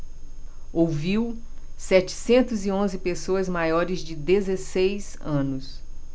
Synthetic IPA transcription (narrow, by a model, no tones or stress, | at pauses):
owviwsɛt͡ʃɪ̥sẽnt̪ʊziõzɪpesoɐzmajɔɾɪzd͡ʒɪd̪ezesejz | ɐ̃nʊs